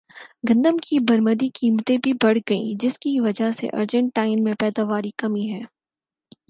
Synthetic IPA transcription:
ɡɐ̃nd̪əmkʰibɐɾməd̪ikiːmt̪ẽbʱibɐɽ̤ɡɐḭ̃d͡ʒɪskiʋɐd͡ʒasḛʔɐ̰ɾd͡ʒə̃ɳʈːaːɪnmẽpɛːd̪aʋaːɾikɐmiɦɛː

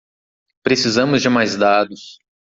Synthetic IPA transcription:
pɾesizɐ̃mʊzd͡ʒɪmajzd̪ad̪ʊs

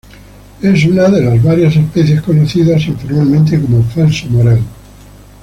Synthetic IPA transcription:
esunaðelazβaɾjas̬e̞speθjeskonoθiðasanfoɾalmẽnt̪ekomofalsomoɾal

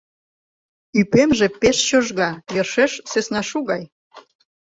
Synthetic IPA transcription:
ypemʒĕpeʃt͡ɕoʒɣɑjerʃeʃsesnɑʃuɣɑj

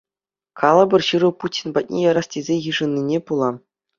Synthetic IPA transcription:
kɑlˠɤbʲɤ̆rɕɯɾɤ̆putʲinbɑt̚ʲnʲejɑɾɑstʲezʲejɯʐɤ̆nʲːinʲepulˠɑ

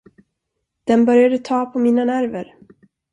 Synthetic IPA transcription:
d̪̥ɛnbœɾjad̪ət̪ʰɑːpʰɔmiːnanæɾvəɾ

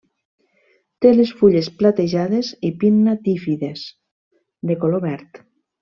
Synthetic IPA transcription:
t̪elesfuʎesplat̪eʒaðezipinːat̪ifiðes | d̪ekoloβɛɾt̪

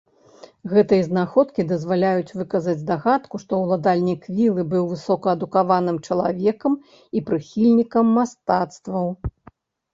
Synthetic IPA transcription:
ɣɛt̪ɨjɐznaxɔt̪kʲid̪ɐzvalʲajut͡sʲvɨkɐzɐd͡zʲd̪aɣat̪kuʂt̪ɔwlˠad̪alʲnʲikvʲilˠɨbɨwvɨsɔkɐɐd̪ukavan̪ɨmt͡ʂɐlˠavʲɛkɐm | ipɾɨxʲilʲnʲikɐmːast̪at̪st̪vɐw

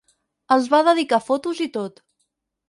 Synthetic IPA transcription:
əlˠzβaðəðikafot̪uzit̪ot̪

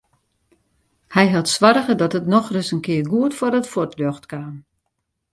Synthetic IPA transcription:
hɛjɦatsʋɔɾəɣədɔtətnɔxrʏsənkɪərɡuətfɔrətfortʰloxtkaːm

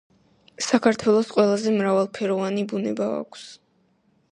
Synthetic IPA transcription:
sakʰaɾt̪ʰwɛlˠɔsqʼwɛlˠazɛmɾavalˠpʰɛɾɔvanibunɛbaa̰kʷʰs

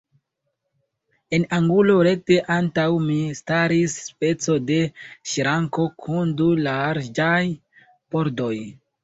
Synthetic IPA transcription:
e̞naŋɡulo̞ɾe̞k̚te̞ʔantawmistaɾisspe̞t͡so̞de̞ʃiɾaŋko̞kʰundulaɾd͡ʒaj | po̞ɾdo̞j

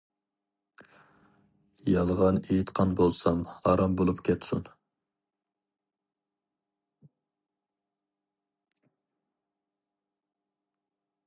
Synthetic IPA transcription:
jɑlˠʁɑnejit̪qʰɑnbolˠsɑmɑɾɑmbolˠupkʲʰɛt̪sṵn

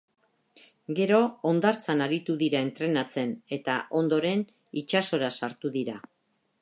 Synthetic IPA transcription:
ɡe̞ɾo̞ːnd̪aɾt͡sanaɾit̪uðiɾae̞nt̪ɾe̞nat͡se̞ne̞t̪aʔo̞nd̪o̞ɾe̞n | it͡ʃaso̞ɾasaɾt̪uðiɾa

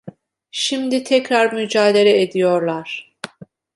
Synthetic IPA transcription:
ʃimd̪it̪ʰɛcɾaɾmyd͡ʒaːd̪eɾɛed̪ijoɾlˠaɾ̥

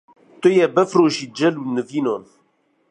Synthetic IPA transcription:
t̪ojɛbəfroʃid͡ʒɛlunːəvinon

